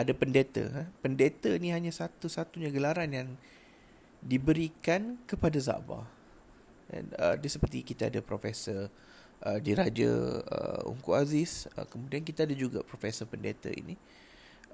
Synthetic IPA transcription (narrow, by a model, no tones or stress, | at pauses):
adapəndet̪ə̰əpəndet̪əinĩɦaɲãsat̪usat̪uɲãɡəlaɾanjaŋ | dibəɾikankəpadaza̰ʔba̰ | dɛ̰nədəsəpərt̪ikit̪aadapɾofesə | ʔədiɾad͡ʒa̰ə̰ṵŋkuʔazɪsə̰kəmudiankit̪aːdad͡ʒuɡa̰pɾofesəpəndet̪ə̰ḭni